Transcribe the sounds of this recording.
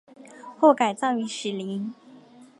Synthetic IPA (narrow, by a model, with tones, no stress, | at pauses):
xwɔ˥˩ka˨˩ɪt͡sɑ˥˩ŋy˧˥ʂɻ̩˨˩li˧˥ŋ